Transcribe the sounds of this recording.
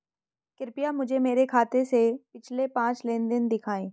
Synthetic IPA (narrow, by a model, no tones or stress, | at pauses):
kɪɾpijamʊd͡ʒʱemeːɾekʰaːt̪esepɪt͡ʃʰlepãːt͡ʃleːnd̪ɪnd̪ɪkʰaːẽː